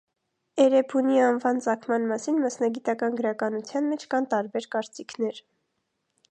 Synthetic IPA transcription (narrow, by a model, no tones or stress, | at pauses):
ɛɾɛpʰuniɑnvɑnt͡sɑkʰmɑnmɑsinmɑsnɑɡit̪ɑkɑnɡəɾɑkɑnut͡sʰjɑnmɛt͡ʃʰkɑnt̪ɑɾbɛɾkɑɾt͡sikʰnɛɾ